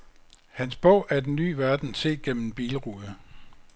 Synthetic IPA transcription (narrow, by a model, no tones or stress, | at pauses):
hænsb̥ɔʊ̰ʔæɐd̥enːy̰ːʋæɐd̥n̩sʰe̝̰ːɡ̥en̰m̩b̥iːləʁuðˠə